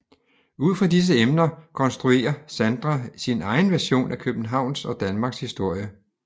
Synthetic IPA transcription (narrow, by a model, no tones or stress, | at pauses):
uð̞̰ˠfʁɑ̈dis̬əemnɐkʰɒ̽nsd̥ʁue̝̰ːɐsænd̥ʁasinɑ̈ɪn̩ʋæɐɕo̝̰ːnʔækʰøb̥n̩ɦɑ̈ʊ̰nsɒ̽d̥ænmɑ̈ːɡ̥shisd̥o̝ɐ̰jə